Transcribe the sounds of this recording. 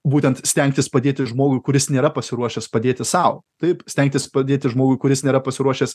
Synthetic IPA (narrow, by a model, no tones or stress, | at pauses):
buːt̪ʲɛnt̪sʲt̪ʲɛŋʲk̚ʲt̪ʲɪspɐd̪ʲeːt̪ʲɪʒmoːɡʊɪkʊɾʲɪsnʲeːɾɐpɐsʲɪɾuɔʃʲɛspɐd̪ʲeːt̪ʲɪsɐʊt̪ɐɪpsʲt̪ʲæŋʲkt̪ʲɪspɐd̪ʲeːt̪ʲɪʒmoːɡʊɪkʊɾʲɪsnʲeːɾɐpɐsʲɪɾuɔʃʲɛs